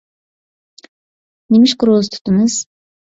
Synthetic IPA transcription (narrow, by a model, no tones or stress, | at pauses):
nemiʃkuɾoːz̥t̪ʰu̥t̪ːunɯz̥